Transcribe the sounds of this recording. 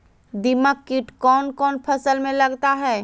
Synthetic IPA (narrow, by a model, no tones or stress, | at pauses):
d̪ɪməkːɪʈkɔːnkɔːnpʰɐsəlmẽlɐɡt̪aɦɛː